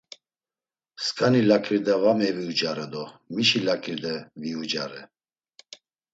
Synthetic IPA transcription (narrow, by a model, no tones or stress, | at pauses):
skʼanilakʰʼɾid̪ɛvamɛviud͡ʒaɾɛd̪ɔmiʃilakʰʼɾid̪ɛviud͡ʒaɾɛ